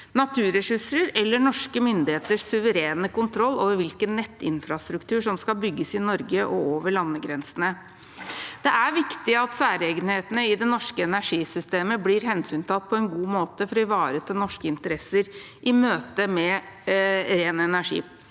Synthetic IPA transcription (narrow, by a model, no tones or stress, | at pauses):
nɑt̪ʰʉːɾɛʂɪʂəɾɛlːəɳɔʂkəmʏnd̪ɪheːt̪əʂsʉʋəɾeːnəkʊnt̪ʰɾɔlːoːʋəɾʋɪlkənːɛt̪ːɪ̰nfɾɑst̪ɾʉkt̪ʰʉːʂɔmskɑlbʏɡːəsɪnɔɾɡəʔɔoːʋəɭɑnːəɡɾɛnsənə | d̪̥ɛʔæɾʋɪkt̪ɪɑt̪sæːɾeːɡənheːt̪ənəɪd̪ɛnɔʂkəɛnæʂiːsʏst̪eːməbliːɾɦɛnsyːnt̪ʰɑt̪ːpʰɔɛnɡuːmoːt̪əfɔɾɔɪʋɑːɾət̪ʰɪlnɔʂkəɪnt̪əɾɛsəɾ | ʔɪmøːt̪əmɛ | ɾeːnəɛnæʂḭː